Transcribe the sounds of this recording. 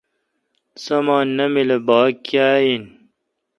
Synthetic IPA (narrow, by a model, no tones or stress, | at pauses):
sɐmaːnːɐmilebaːkjaːjin